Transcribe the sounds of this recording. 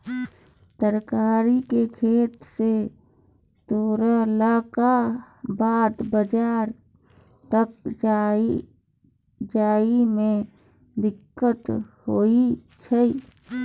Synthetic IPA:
səɾkaɾikekʰeːt̪se | t̪oːɾalaka | baːd̪bəd͡ʒaːɾ | t̪ək̚d͡ʒa | d͡ʒaːimẽ | d̪ɪkːət̪hoi | t͡ʃʰə

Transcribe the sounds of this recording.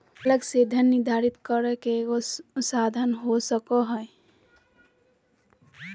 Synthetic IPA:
ələɡsed̪ʱənːiɾd̪ʱaɾit̪kəɾəkeɡoʊt̪sad̪ʱənɦosəkɔɦə

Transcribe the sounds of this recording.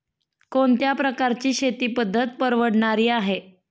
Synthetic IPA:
koɳt̪japɾəkaɾt͡ɕiːɕet̪iːpəd̪ʱːət̪̚pəɾʋəɽɳaɾiːaɦe

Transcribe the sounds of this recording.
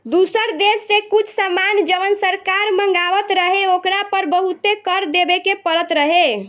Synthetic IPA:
d̪usəɾd̪esːekut͡ʃʰsamand͡ʒəʋənsəɾkaɾməŋɡaʋət̪ɾəɦeokɾapəɾbəɦut̪ekəɾd̪ebekepəɾət̪ɾəɦe

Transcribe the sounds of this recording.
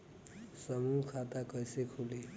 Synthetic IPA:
sʌmukʰat̪akʌjsekʰule

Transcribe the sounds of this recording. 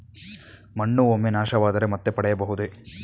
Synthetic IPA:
mɐɳːuomːenaːʂɐʋaːd̪ɐɾemɐt̪ːepɐɽɛjɐbɐɦud̪e

